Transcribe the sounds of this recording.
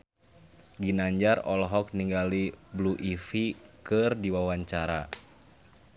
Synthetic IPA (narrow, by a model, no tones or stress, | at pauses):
ɡinaɲd͡ʒarɔlɦɔk̚niŋɡalibluʔifikɨrdiwawaɲt͡ʃaɾa̰